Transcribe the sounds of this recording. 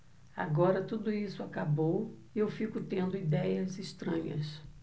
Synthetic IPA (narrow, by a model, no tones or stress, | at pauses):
a̰ɡɔɾɐt̪ud̪ʊisʊakabow | iewfikʊt̪ẽnd̪ʊid̪ɛjɐziʃt̪ɾɐ̃ɲɐ̰s